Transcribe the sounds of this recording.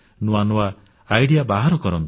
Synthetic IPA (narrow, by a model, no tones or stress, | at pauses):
nuanuwa | ajɽijabaɦaɾɔkɔɾɔnt̪